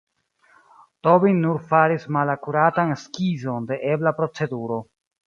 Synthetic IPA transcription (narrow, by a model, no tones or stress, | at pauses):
to̞binnːuɾfaɾismalakuɾatanskizo̞nde̞ʔe̞blapɾo̞t͡se̞duɾo̞